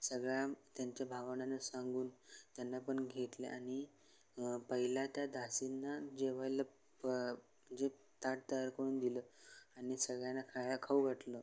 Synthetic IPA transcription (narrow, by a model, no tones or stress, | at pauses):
səɡɭjat̪jaɲt͡ɕjabʱaʋaɳanasãŋɡuːnt̪janːapəɳɡʱet̪lḛʔaɽ̃i | pəɦilat̪jad̪ʱasinːad͡ʑeʋajlə | d͡ʑe | t̪aɽt̪əjaɾkəɽuːnd̪iləaɽ̃isəɡɭjanakʰajakʰauɡʱəʈləː